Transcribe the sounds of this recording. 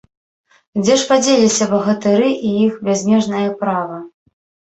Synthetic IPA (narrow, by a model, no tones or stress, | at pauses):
d͡zʲɛʂpad͡zʲelʲisʲɐbɐɣɐt̪ɨɾɨʔijixbʲazʲnʲɛʐnɐjɐpɾavɐ